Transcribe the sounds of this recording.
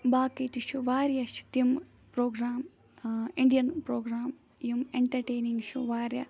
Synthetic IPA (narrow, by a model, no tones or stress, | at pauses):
baːkit̪iʃuʋaːɾjɐʃi̥t̪im | pɾoːɡɾaːm | iɳɖijɐnpɾoːɡɾaːm | jimeɳʈɐɾʈeːniŋɡʃuʋaːɾjɐ